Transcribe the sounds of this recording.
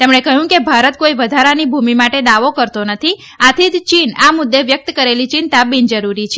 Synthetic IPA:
t̪emɳekəɦũkebʱaɾət̪̚koiʋəd̪ʱaɾanibʱumimaʈed̪aʋokəɾt̪onət̪ʰi | at̪ʰid̪t͡ʃinamʊd̪ːeʋjək̚t̪kəɾelit͡ʃint̪abind͡ʒəɾuɾit͡ʃʰe

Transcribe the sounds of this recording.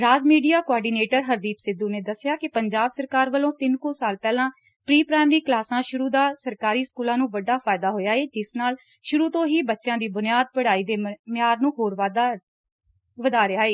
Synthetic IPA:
ɾaːzmiːɖijaːkoɔːɖiːneːʈəɾɦəɾd̪iːpsɪd̪uːneːd̪əsːɪjaːkɪpəɲd͡ʒaːbsəɾkaːɾʋəlõːt̪ɪnkõːsaːlpɛːlãː | pɾiːpɾaːɪmɾiːklaːsãːʃʊɾuːd̪aːsəɾkaːɾiːskuːlãːnũːʋəɖaːpʰaːɪd̪aːɦoːjaːeːd͡ʒɪsnaːl | ʃʊɾuːt̪õːɦiːbətːʃjãːd̪iːbʊnɪjaːd̪̚pəɽaːiːd̪eːmɪjaːɾnũːɦoːɾʋaːd̪a | ʋəd̪aːɾɪaːeː

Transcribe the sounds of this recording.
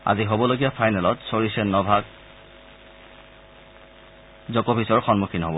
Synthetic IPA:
a̰ziɦobɔloɡijapʰajnɛlɔtsoɹisɛnɔbʱaɡ̚ | zɔkɔbʱisɔɹxɔnmukʰinɦɔbɔ

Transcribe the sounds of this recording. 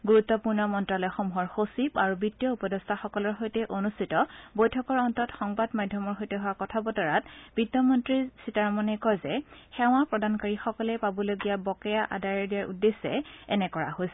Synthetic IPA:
ɡuɹut̪ːɔpuɹnɔmɔntɹalɔjxomuɦɔɹxosibaɹubitːijɔupɔdɔstʰaxɔkɔlɔɹxojtɛʔonustʰitɔbojtʰɔkɔɹɔntɔtxɔŋbadmadʱjɔmɔɹɦojtɛɦʊwakɔtʰabɔtɔɹatb̥idɔmɔntɹisitaɹmɔnɛkɔjzɛxɛw̃ãpɹɔdankaɹixɔkɔlɛpabɔloɡijabɔkɛjaʔa̰daɹɛɹdijaɹṵdːesɛ̰ɛ̰nɛkɔɹa̰ɦojsɛ

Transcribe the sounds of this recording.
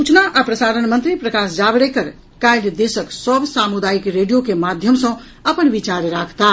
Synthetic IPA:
ut͡ʃnaʔapɾəsaːɾənmə̃nt̪ɾipɾəkaːsd͡ʒabɽekəɾ | kaɪld̪eːsəksəbsaːmud̪aːikɾeːɖijokemaːd̪ʱjəmsə̃ | əpənʋit͡ʃaːɾɾaːkʰt̪a

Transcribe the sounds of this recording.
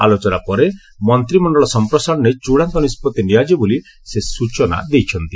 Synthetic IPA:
alot͡ʃɔnapɔɾe | mɔnt̪ɾimɔnɖɔɭɔsɔmpɾɔsaɽ̃ɔnet͡ʃuɽaŋkɔnispɔt̪iniad͡ʒibuli | sesut͡ʃɔna̰d̪ejt͡ʃʰɔnt̪i

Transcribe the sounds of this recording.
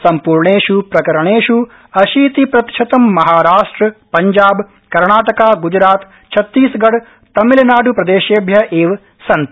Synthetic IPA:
sɐmpuːɾɳeːʃupɾɐkɐɾɐɳeːʃu | ɐʃiːt̪ipɾɐt̪ʃʰɐt̪ɐmːɐɦaːɾaːʂʈɾɐpɐɲd͡ʒaːb | kɐɾɳaːʈɐkaːɡud͡ʒɾaːt̪ | t͡ʃʰɐt̪ːiːsɡɐɽ | t̪ɐmilɐnaːɖupɾɐd̪eːʃeːbʱjɐʔeːʋ | sɐnt̪

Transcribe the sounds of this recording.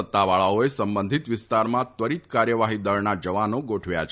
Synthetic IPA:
ət̪ːaʋaɭaoesəmbənd̪ʱit̪ʋɪst̪aɾmãt̪ʋəɾit̪kaɾjəʋaɦid̪əɾnad͡ʒəʋanoɡoʈʰʋja̰t͡ʃʰ

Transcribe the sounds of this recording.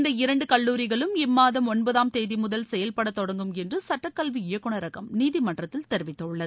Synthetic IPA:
nd̪ɐɪɾɐɳɖɯkɐɭːuːɾɪɣɐɭɯmɪmːaːðɐmɔnbɐðaːmt̪eːðimʊðɐlsɛjɐlpɐɽɐt̪ːɔɽɐŋɡɯmɛndrɯsɐʈːɐkːɐlʋiɪjɐkːɯɳɐɾɐɣɐmniːðimɐɳɖrɐt̪ːɪlt̪ɛɾɪʋɪt̪ːɐɯɭːɐðɯ

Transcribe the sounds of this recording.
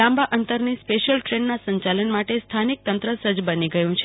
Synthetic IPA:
ãmbaʔənt̪əɾnispeəlʈɾeɳɖnasəɲt͡ʃalənmaʈest̪ʰanik̚t̪ənt̪ɾəsəd͡ʒbəniɡəjũt͡ʃʰe

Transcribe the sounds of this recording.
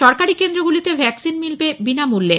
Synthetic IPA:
ʃɔɾkaɾikend̪ɾoɡulit̪ebʱɛksinmilbebinamulːe

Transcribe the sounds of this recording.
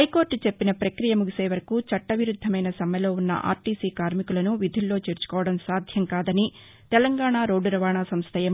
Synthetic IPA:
ɦɐjko̞ːɾʈt͡ʃepːinɐpɾɐkɾijɐmuɡiseːʋɐɾɐkut͡ʃɐʈːɐʋiɾud̪ʱːɐmɐjnɐsɐmjɐlo̞ːunːɐ̰ʔa̰ːɾʈiːsiːkaːɾmikulɐnuʋid̪ʱulːo̞ːt͡ʃeːɾt͡ʃu̥kɔːʋɐɽɐmsaːd̪ʱjɐmkaːd̪ɐni | t̪ɛlɐŋɡaːɳaːɾoːɖːuɾɐʋaːɳaːsɐmst̪ʰɐjɐm

